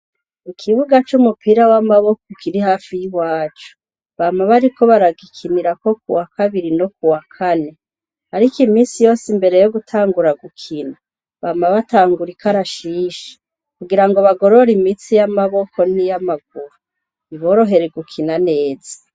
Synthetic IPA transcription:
ikʰiβuɡat͡ʃumupʰiɾawamaβo̞koikʰiɾihaːfijiwaːt͡ʃo̥ | βamaβaɾiko̞βaɾaɡikʰiniɾako̞k̚uwakʰaβiɾino̞k̚uwakʰane̞ | aɾikimiːnsijo̞ːsimbe̞ɾe̞joɡutʰaːŋɡuɾaɡukʰina | βaːmaβataːŋɡuɾikʰaɾaʃiːʃe̥ | kuɡiɾaŋɡoβaɡo̞ɾo̞ɾimit͡sijamaβo̞ko̞nijamaɡ̚uɾu | iβo̞ːɾo̞ɦe̞ɾeɡukʰinane̞ːzḁ

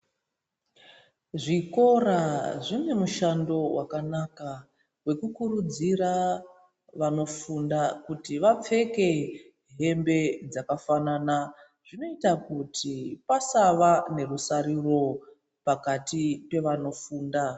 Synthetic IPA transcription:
ʐiko̞raʐine̞muʃando̞wakanaka | we̞kukurud͡zira | ʋano̞fundakutiʋap͡fe̞ke̞ | ɦe̞mbe̞d͡zakafanana | ʐ̥ino̞itakutʰipasaʋane̞rusaɾiro̞ | pakatipe̞ʋano̞fuːnda

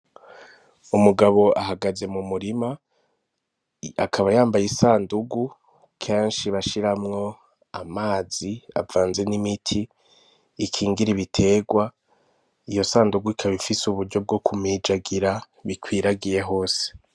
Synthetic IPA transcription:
umuɡaβo̞ʔaɦaɡaze̞mumuɾima | akʰaβajaːmbajisaːnduɡu | kʰe̞ːnʃiβaʃiɾamŋo̞ | amaːzia̰vaːnze̞nimitʰiː | kʰiːŋɡiɾiβitʰe̞ːɡwa | ijo̞saːnduɡuikʰaβifisuβuɾɟo̞b̚ɡo̞kʰumiːd͡ʒaɡiɾa | βikʰwiːɾaɡije̞ɦo̞ːse̥

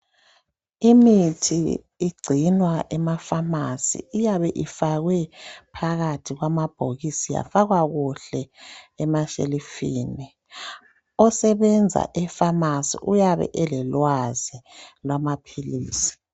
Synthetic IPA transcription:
imitʰḭː | ɡ͡ǀʱinwaʔɛmafamasḭːjaβɛʔifaɣwɛpʰaɣatʰiɣwamab̥ʱoɣisija̰faɣwaɣuɬɛɛmaʃḛlifiːni | ɔsɛβɛnd͡zʱa̰ʔɛfamasḭʔujaβɛ̰ʔɛlɛlwazilwamapʰiliːsi̥

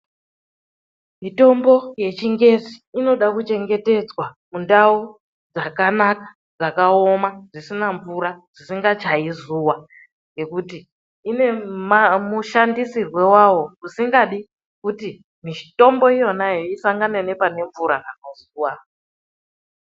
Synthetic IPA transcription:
mito̞mbo̞je̞t͡ʃiŋɡe̞ziːno̞ɗakut͡ʃe̞ŋɡe̞te̞d͡zwamundau | d͡zakanakḁ | d͡zakao̞maʐisinaɱvuɾaʐ̥isiŋɡat͡ʃaizuwa | ŋɡe̞kutiː | ne̞mmuʃandisirwe̞wawo̞usiŋɡaɗi | kuti | miʃi̥to̞mbo̞ijo̞najoisaŋɡanene̞pane̞ɱvuɾakanozuːwa

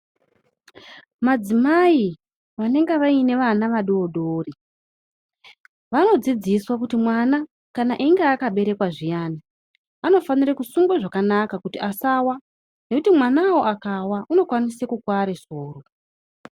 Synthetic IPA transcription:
mad͡zimai | ʋane̞ŋɡeʋaine̞ʋanaʋaɗoːɗoːri | ʋano̞d͡zid͡ziswakutimwana | kanaʔiŋɡeːkaɓe̞ɾe̞kwaʐijaːna | ano̞faniɾakusuŋɡwaʐakanakakutiʔasawa | ne̞kutimwanawo̞ʔakawaʔuno̞kwanisekukwaɾesoːro

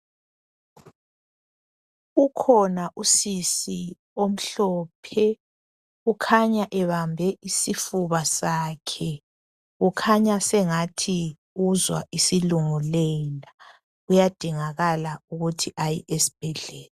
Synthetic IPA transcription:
ukʰɔnaʔusisi | om̩ɬɔːpʰɛ | ukʰaɲaʔɛβambʱɛʔisifuβasaːkʰɛ | ɣukʰaɲasɛŋatʰi | uzwa̰ʔisiluŋulela | ujad̥ʱiŋaɣalauɣutʰiʔajiʔesi̥b̥ʱɛɮɛːla

